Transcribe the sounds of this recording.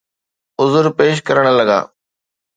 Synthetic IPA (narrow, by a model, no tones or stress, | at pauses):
ʊzʊɾpeːʃ̬kɐɾəɽ̃̆lɐɡa̰ː